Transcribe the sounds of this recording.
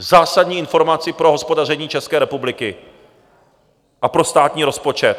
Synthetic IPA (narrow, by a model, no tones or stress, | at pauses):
zaːsadɲiːʔɪnfo̞ɾmat͡sɪpɾo̞ɦo̞spo̞dar̝ɛɲiːt͡ʃɛskɛːɾɛpublɪkɪ | ʔapɾo̞st̪aːt̪ɲiːɾo̞spo̞t͡ʃɛt̪